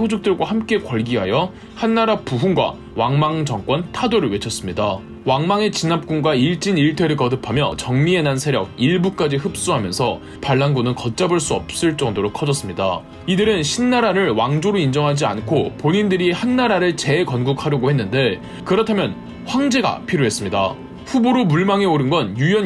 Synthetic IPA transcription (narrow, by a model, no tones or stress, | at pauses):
sʰod͡ʑuk̚t͈ɯɭɡwahamk͈e̞kwʌɭɡiɦajʌ | hanːaɾapuɦuŋɡwa̰ | waŋmaŋd͡ʑʌŋk͈wʌntʰadoɾɯɭwe̞t͡ɕʰʌs͈ɯmɲida | waŋmaŋe̞t͡ɕinap̚k͈uŋɡwaiɭt͡ɕ͈iniɭtʰe̞ɾɯɭkʌdɯpʰamjʌ̰t͡ɕʌŋmie̞nansʰe̞ɾjʌɡ̚iɭbuk͈ad͡ʑihɯp̚s͈uɦamjʌnsʰʌ | paɭːanɡunɯnkʌt̚t͡ɕ͈aboɭs͈uʌp̚s͈ɯɭt͡ɕ͈ʌŋdoɾokʰʌd͡ʑʌs͈ɯmɲida̰ | idɯɾɯnɕʰinːaɾaɾɯɭwaŋd͡ʑoɾoind͡ʑʌŋɦad͡ʑia̰nkʰopoɲindɯɾihanːaɾaɾɯɭt͡ɕe̞kʌnɡukʰaɾjoɡohe̞nːɯnde̞ | kɯɾʌtʰamjʌn | ɸwaŋd͡ʑe̞ɡa̰pʰiɾjoɦe̞s͈ɯmɲida̰ | ɸuboɾomuɭmaŋe̞oɾɯnɡʌnjujʌ